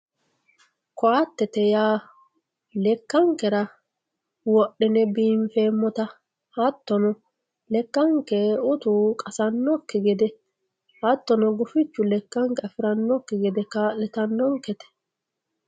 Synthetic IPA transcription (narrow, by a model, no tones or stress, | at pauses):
kɔɐt̪ːɛt̪ɛjaː | lɛkːɐŋkɛɾɐ | wɔʔːɪnɛbiːɱfe̞ːmːɔt̪ɐ | hɐt̪ːɔnɔ | lɛkːɐŋkɛʊt̪ukʼɐsɐnːɔkːɛɡɛd̪ɛ | hɐt̪ːɔnɔɡʊfɪt͡ʃːʊlɛkːɐŋkɛɐfɪɾɐnːɔkːɛɡɛd̪ɛkɐlɛt̪ɐnːɔŋkɛt̪ɛ̥